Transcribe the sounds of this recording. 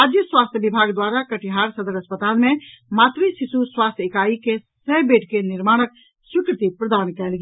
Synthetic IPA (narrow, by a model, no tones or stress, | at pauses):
ad͡ʒjəswast̪ʰjəbibʱaɡd̪waɾakəʈiɦaɾsəd̪əɾəspət̪almemat̪ɾisisuswast̪ʰekaikesəɦbeʈkeniɾmaɽ̃ək̚ | swikɾət̪ipɾəd̪ankɛlɡ